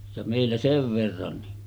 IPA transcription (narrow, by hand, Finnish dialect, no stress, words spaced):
jɑ meˑilːæ seʋ ʋerːɑn ni